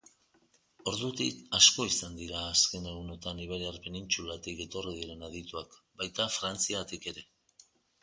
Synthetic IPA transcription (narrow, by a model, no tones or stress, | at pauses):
o̞ɾðut̪ikasko̞isand̪iɾaːske̞ne̞ɣuno̞t̪aniβ̞eɾearpe̞nint͡ʃulat̪ike̞t̪o̞riðiɾe̞naðit̪uakbajt̪afɾant͡siat̪ike̞ɾe̞